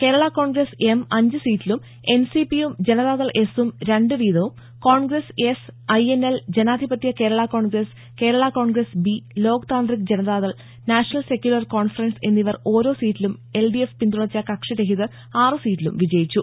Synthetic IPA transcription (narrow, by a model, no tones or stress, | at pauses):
ke̞ːɾɐɭako̞ːɳɡrese̞mɐɲd͡ʑɨsiːtːilum | e̞nsipijumd͡ʑe̞nɐðaːðɐɭʔe̞sumɾeɳɖɨʋiːðɐʋum | ko̞ːɳɡresesɐjeneld͡ʑe̞naːd̪ʱibɐt̪jɐke̞ːɾɐɭako̞ːɳɡɾes | ke̞ːɾɐɭako̞ːɳɡresbilo̞ːkɐt̪aːnd̪rikd͡ʑe̞nɐðaːðɐɭ | naːʂɐnɐlse̞kʲjulɐrko̞ːɳfɐrɐnse̞nːiʋɐro̞ːɾo̞ːsiːtːilume̞lɖiefpind̪uɽɐt͡ɕːɐkɐkʂɐɾeɦiðɨ | aːrɨsiːtːilṵmʋid͡ʑɐjit͡ɕːu